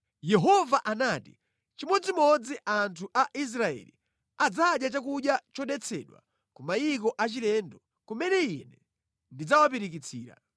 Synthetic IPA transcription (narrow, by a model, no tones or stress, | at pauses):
jɛɦɔvaʔanaːtḭ | t͡ʃimɔd͡zimɔd͡ziʔantʰuʔaʔis̬ɾaɛ̰lḭ | ad͡zaɗjat͡ʃakuɗjat͡ʃɔɗɛt͡sʰɛ̰ɗwa̰ | kumajik̬ɔʔat͡ʃilɛndɔ | kumɛnɛinɛ | ndid͡zawapiɾik̬it͡sʰiːɾa̰